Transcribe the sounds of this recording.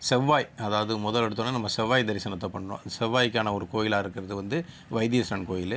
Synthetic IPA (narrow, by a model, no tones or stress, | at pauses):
sɛʋːaːjɐðaːʋɐðɯmʊðɐlɛɽɯt̪ːɐnːɯnɐmːɐsɛʋːaːjd̪ɐɾɪsɐnɐt̪ːɐpɐɳːɐɳõ̰sɛʋːaːjkːaːnɐɔɾɯkoːjɪlaːɪɾɯkːɪɾɐðɯʋɐnd̪ɯ | ʋɐɪd̪ɪjɐsɐɳkoːjɪl